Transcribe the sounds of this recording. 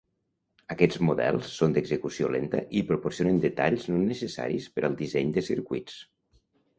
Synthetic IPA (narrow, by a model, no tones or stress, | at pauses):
əkɛd͡zmuðɛ̰lˠsːond̪əɡzəkusio̰lent̪ə̰ʔipɾupoɾsionənd̪ət̪aʎznonːəsəsa̰ɾispəɾʔəlˠd̪izɛɲd̪əsiɾkuit͡s